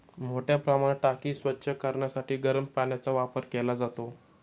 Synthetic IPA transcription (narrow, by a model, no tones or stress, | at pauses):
m̤oʈjapɾəmaɽ̃eʈakiːsʋətːɕʰəkəɾɳjasaʈiːɡəɾəmpaɳjat͡saʋapəɾkelad͡zat̪o